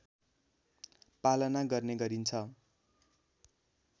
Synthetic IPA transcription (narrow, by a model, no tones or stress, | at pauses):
palʌnaɡʌrneɡʌɾint͡sʰʌ